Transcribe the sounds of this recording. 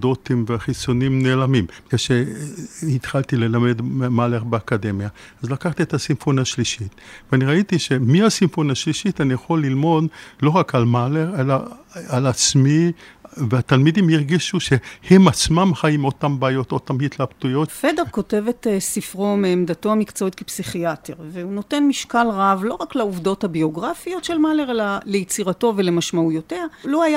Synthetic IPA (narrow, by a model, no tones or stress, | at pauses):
dot̪imveaχit͡so̞nimne̞ːlamimbkeʃe | it̪χalt̪ile̞lame̞d̪maleʁbeakad̪e̞mjaazlakaχt̪iet̪hasimfonhaʃliʃitveaniʁait̪iʃe̞mihasimfonhaʃliʃitanijaχo̞lːilmo̞dlo̞ʁakalmaleʁe̞laːlat͡smiveat̪almidimhiʁɡiʃuʃehemat͡smamχajimotambaːjo̞t̪ot̪amhit̪labt̪ujo̞tfede̞ʁko̞te̞vet̪sifʁomeːmdato̞amikt͡soit̪kepsiχiateʁveunote̞nmiʃkalʁavlo̞ʁakleuvdo̞thabio̞ɡʁafijo̞tʃelmaleʁelalejit͡siʁato̞vele̞maʃmaujotealoaja